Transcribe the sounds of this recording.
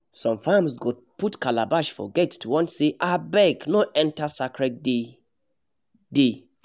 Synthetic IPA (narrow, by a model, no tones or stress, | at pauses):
sɔ̃mfãmsɡo | putkalabaʃfɔ̰ɡɛtːuwɔ̃ntseʔabɛknoʔɛ̃ntasakɹɛtd | de